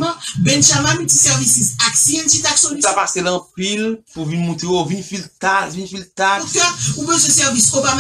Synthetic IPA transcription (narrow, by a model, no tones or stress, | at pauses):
mãbɛ̃nʃamanitisɛʁvisisaksiɛ̃nt͡ʃit̪aksɔ̃nisapaselɐ̃pilpuvinmũt̪ejovinfilt̪avinfilt̪akøũbezesɛʁviskopama